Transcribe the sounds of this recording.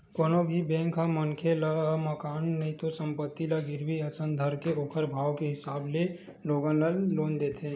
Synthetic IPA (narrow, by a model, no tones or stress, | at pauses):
koːnobʱibẽːŋkɦamənkʰelaməkaːnːɐɦĩt̪osə̃mpət̪ːilaɡɪɾbiəsə̃nd̪ʱəɾkeoːkʰəɾbʱaːwkeɦɪsaːble | loːɡãnəloːnd̪eːt̪ʰẽː